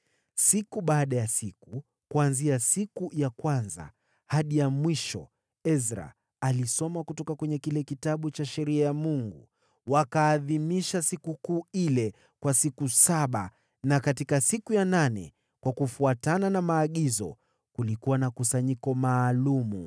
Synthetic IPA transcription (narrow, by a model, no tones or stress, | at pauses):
sikuɓaːɗajasiku | kuanziasikujakwanza̰ | haɗijamwiʃɔ̰ | ɛzɾa̰ | alisɔmakutɔkakwɛɲɛkilɛkitaɓut͡ʃaʃɛɾiajamuŋɡu | wakaːðimiʃasikukuːilɛ | kwasikusaɓa̰ | nakatikasikujananɛ̰ | kwakufuatananamaːɠizɔ̰ | kulikuwanakusaɲikɔmaːlumu